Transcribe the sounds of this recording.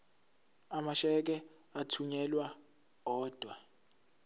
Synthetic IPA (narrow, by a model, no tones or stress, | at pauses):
amaʃɛk̬ʼɛ | atʰuɲɛlwa | ɔːd̥ʱwa